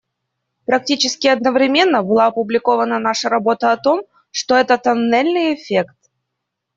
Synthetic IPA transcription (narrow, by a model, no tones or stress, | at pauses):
pɾɐk̚tʲit͡ɕɪskʲɪɐd̪nəvɾʲɪmʲe̞nːəbɨlˠaɐpʊblʲɪko̞vənənaʂəɾɐbo̞t̪əɐt̪o̞m | ʂt̪oɛt̪ət̪ɐnɛlʲnɨjɪfʲekt̪̚